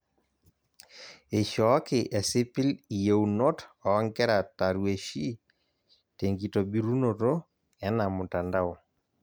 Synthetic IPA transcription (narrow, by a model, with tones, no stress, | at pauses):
e˨ʃɔ˨˦kɪ˨ʔɛ˨sɪ˦pɪ˦li˨je˦uno˦tɔː˨˦ŋkɛ˦ɾa˨ta˨ɾwe˨ʃi˦ | te˨ŋɡi˨to˨bi˦ɾu˦no˨ɾo˦ | ɛ˦na˨mʊ˨ta˨nda˦o˨